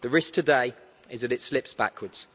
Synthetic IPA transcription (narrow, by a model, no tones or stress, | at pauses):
ðəɹɪsk̚tʰədeɪ | ɪzðəɾɪtslɪpsb̥a̰kʰwədz̥